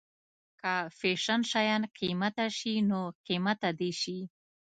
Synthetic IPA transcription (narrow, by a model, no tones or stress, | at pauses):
kafeʃanʃajanqimat̪aʃinoqimat̪ad̪eʃi